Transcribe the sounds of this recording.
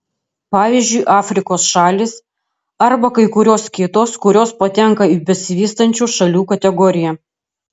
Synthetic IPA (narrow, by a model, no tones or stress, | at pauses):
pɑːʋʲiːzʲd͡ʒʲʊɪʔɑːfʲɾʲɪkoːsʃɑːlʲiːs | ɐɾbɐkɐɪkʊɾʲoːskʲɪt̪oːskʊɾʲoːspɐt̪ʲɛŋkɐiːbʲɛsʲɪʋʲiːst̪ɐnʲt͡ʃʲuːʃɐlʲuːkɐt̪ʲɛɡɔːɾʲɪjɛ